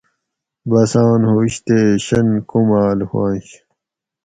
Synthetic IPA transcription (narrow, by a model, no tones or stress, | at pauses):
bɐsãːnhoɕt̪eːɕɐnkumaːlha̰ːnɕ